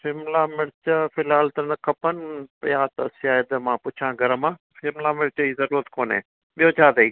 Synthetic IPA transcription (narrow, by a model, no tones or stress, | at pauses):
fʰɪmlaːmɪɽt͡ʃəfɪlaːlt̪ənɐkʰɐpənpjaːt̪əsjaːəd̪mãːpʊt͡ʃʰãːɡəɾəmãː | fɪmlaːmɪɽt͡ʃəiːzəɾuːɾət̪koːnḛː | ɓɪjoːt͡ʃʰaːd̪əiː